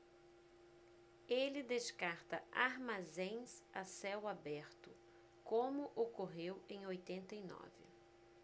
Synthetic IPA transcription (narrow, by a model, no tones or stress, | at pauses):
elɪd̪eʃkaɾt̪ɐaɾmazẽj̃sasɛwabɛɾt̪ʊ | kõmʊʔokoɦewẽj̃ojt̪ẽnt̪ɐinɔ̰vɪ̰